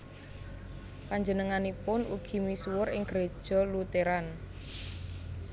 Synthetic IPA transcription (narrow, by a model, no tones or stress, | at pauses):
paɲd͡ʒənəŋanipʊnṵɡ̥i̤misuwʊɾɪŋɡ̥ɾed̥ʒ̥ɔ̤lut̪eɾan